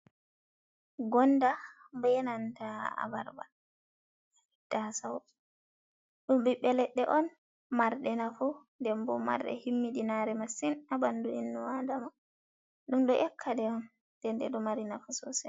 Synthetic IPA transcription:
ɡɔnda | banantaa̰ba̰ɾba̰l | d̥asawɔ | ɗumbiɓːɛlɛɗːɛʔɔn | maɾɗɛnafundɛmbɔ̰ma̰ɾɗɛ̰himːidinaɾɛmasinabanduinːɔwadama | ɗumɗɔʔɛkʰːadɛɔn | d̥ɛndɛ̰ɗɔmaɾinafusɔsɛ

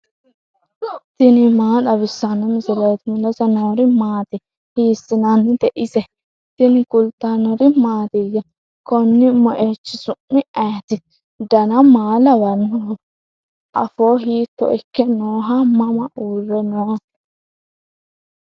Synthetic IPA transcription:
t̪ɪnɪmaːɗɐβɪsːanɔmɪsɪleːt̪ɪmʊlɐsɐnoːɾɪmaːt̪ɪ | hiːsɪnanːɪt̪ɛʔɪsɛ | t̪ɪnɪkʊlt̪ːanɔɾɪmaːt̪ɪɡɐ | kɔnːɪmɔʔeːt͡ʃːɪsʊʔːɪʔɛːt̪ɪ | d̪ɐnɐmaːlɐwɐnːʊ | ʔɐfoːɦiːt̪ːɔ̰ʔɛkːɛnoːɦɐmɐmɐʔuːrːɛnoː

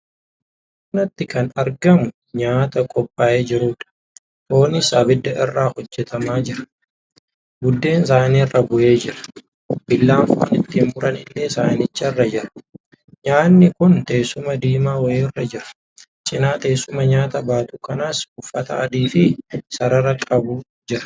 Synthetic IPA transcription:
nɐt̪ːɪkɐnɐɾɡɐmʊ | ɲaːt̪ɐkʼɔpʼːaːʔe̞ːd͡ʒɪɾuːᶑɐ̥ | ʔo̞ːnɪsaːbɪd̪ːɐʔɪrːaːhɔd͡ʒːɛt̪ɐmaːd͡ʒɪɾɐ̥ | ɡʊd̪ːe̞ːns̬aːnirːɐbʊʔe̞ːd͡ʒɪɾɐ̥ | b̥ɪlːaːnfʊ̰nɪt̪ːiːmbʊɾɐnɪlːesaːnɪt͡ʃːɐɪrːɐd͡ʒɪɾɐ̥ | ɲaːnːɪkʊnt̪eːsʊmɐd̪iːmaːwɔjeːrːɐd͡ʒɪɾɐ̥ | t͡ʃʼɪnaːt̪ʼe̞ːsːʊmɐɲaːt̪ɐbaːt̪uːkɐnaːsʊfːɐt̪ɐ̰ɐd̪iːfɪsɐɾɐɾɐkʼɐbu | d͡ʒɪɾɐ̥

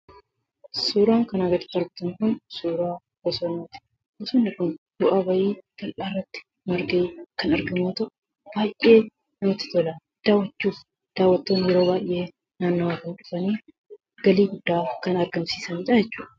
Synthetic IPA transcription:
suːɾaːŋkɐnɐɡɐt̪ɪ̥t̪ːɪɐɾɡɪt̪ɐŋkʊnsuːɾaː | bɐsonːoːt̪ɪ̥ | ʔʊsʊnːɪkʊnb̥ʊʔabɐʔiːt̪ɐlʔaːrːɐt̪ːɪ̥ | mɐɾɡeːkɐnɐɾɡɐmuːt̪ɐʔʊ | b̥aːjʔe̞ː | nɐmɪt̪ːɪ̥t̪ɔla | d̪̥aːwɐt͡ʃːuːf | d̪̥aːwːɐt̪ːoːnjɛɾo̞ːbaːjʔe̞ː | naːnːɐwakɐnᶑʊfɐniː | ɡ̥ɐliːɡʊd̪ːaːkɐnɐɾɡɐmsiːsɐniːᶑɐjɛt͡ʃːuːᶑɐ̥

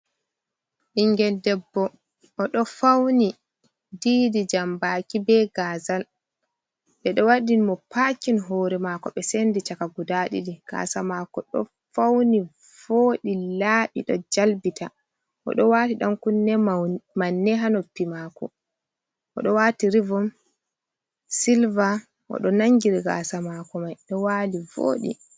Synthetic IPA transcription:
ʔiŋɡɛldɛbːɔ | ʔɔɗɔfawni | diːdid͡ʒambakibɛɡaːzal | ɓɛɗɔwaɗinmɔpʰaːkinɦɔːɾɛmakɔɓɛsendit͡ʃakaɡudaɗḭɗika̰samakɔɗɔ̰ | fawni | voːɗilaːɓiɗɔd͡ʒalbitʰa | ʔɔ̰ɗɔwaːtiɗamkunɛmanːɛɦanopːimaːkɔ | ʔɔɗɔwatiɾivɔm | silva | ʔɔ̰ɗɔnaŋɡiɾiɡa̰samakɔmajɗɔwaːlivo̰ːɗḭ

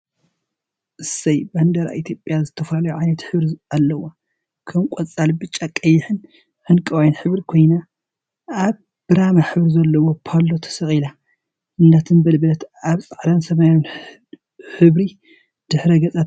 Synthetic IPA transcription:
ʔɨsɐjband̪ɐɾa̰ʔit̪ʰjopʼjazɨt̪ʰɐfɐlalɐjuʕajnɐt̪ħɨβɾialːɐwo | kʰɐmkʼot͡sʼalbɨt͡ʃʼːakʼɐjːɪħɨn | ħɨnkʼɐwajnħɨβɾikʰo̞jna | ʔaβ | b̥ɨɾamaħɨβɾizɐlːɐwo̞pʰalːot̪ʰɐ̥sɐχʼila | ʔɨnːat̪ʰɨnbɐlbɐt̪aβsʼaʕd̪ansɐmajon | ħɨβɾi | d̪̥ɨħɾɐɡɐt͡sʼat̪

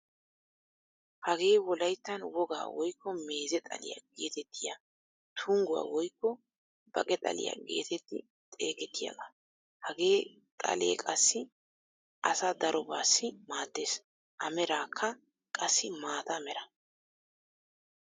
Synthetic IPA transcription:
hɐɡe̞ːwɔlɐjt̪ːɐnwɔɡa̰ːwɔjkːɔme̞ːzɛt̪ʼɐ̰lɪ̰ja̰ɡe̞̰ːt̪ɛt̪ʰːɪja | t̪ʰʊŋɡʊwa̰wɔjkːɔ | bɐ̰kʼɛt̪ʼɐ̰lɪ̰ja̰ɡe̞̰ːt̪ɛt̪ːɪ̰ | t̪ʼe̞ːkɛt̪ʰːɪja̰ɡɐ | hɐɡe̞ː | t̪ʼɐ̰le̞̰ːkʼɐsːɪ | ʔɐsad̪ɐɾʔɔbaːsːɪmaːd̪ːe̞ːs | ʔɐmɛɾaːkʰːɐ | kʼɐsːɪmaːt̪ɐmɛɾɐ

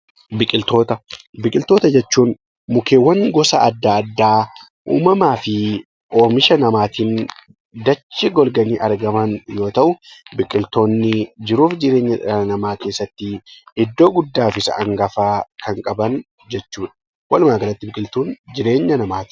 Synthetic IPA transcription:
bɪkʼɪlt̪o̞ːt̪ɐbɪkʼɪlt̪o̞ːt̪ɐd͡ʒɛt͡ʃːuːn | mʊkeːwɐŋɡɔsɐʔɐd̪ːaːd̪ːaː | ʔṵːmɐmaːfɪ | oːmɪʃɐnɐmaːt̪iːn | d̪ɐt͡ʃːɪɡɔlɡɐniːʔɐɾɡɐmɐnjo̞ːt̪ɐʔʊbɪkʼɪlt̪o̞ːnːɪd͡ʒɪɾuːfd͡ʒɪɾeːɲːɐnɐmaːke̞ːsːɐt̪ːɪɪd̪ːo̞ːɡʊd̪ːaːfɪsɐ̰ʔɐ̰ŋɡɐfaːkʰɐŋkʼɐbɐn | d͡ʒɛt͡ʃːuːᶑɐ̥ | wɐlʊmaːɡɐlɐt̪ːɪbɪkʼɪlt̪uːnd͡ʒɪɾe̞ːɲːɐnɐmaːt̪ɪ

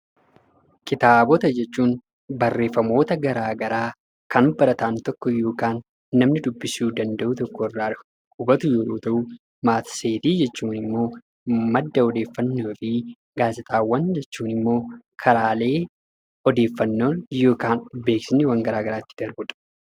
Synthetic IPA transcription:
kʼɪt̪aːbɔt̪ɐd͡ʒɛt͡ʃːuːn | bɐrːe̞ːfːɐmo̞ːt̪ɐɡɐɾaːɡɐɾaː | kʰɐnbɐɾɐt̪ɐʔɐnt̪ɔkːɔjo̞ːkaːnː | ɐmnɪd̪ʊbːɪsuːd̪ɐnd̪ɐʔʊt̪ɔkːɔɪrːaːᶑɪ | kʊbɐt̪ʊjoːɾoːt̪ɐʔu | maːt̪seːt̪iːd͡ʒɛt͡ʃːuːnɪmːo̞ː | mɐd̪ːɐɔd̪e̞ːfːɐnːoːfɪ | ɡaːzɪt̪ʼaːwːɐnd͡ʒɛt͡ʃːuːnɪmːo̞ː | kʰɐɾaːle̞ː | ɔd̪e̞ːfːɐnːoːnjo̞ːkaːnbe̞ːksɪnːɪwɐŋɡɐɾaːɡɐɾaːt̪ːɪd̪̥ɐɾbʊᶑ̥

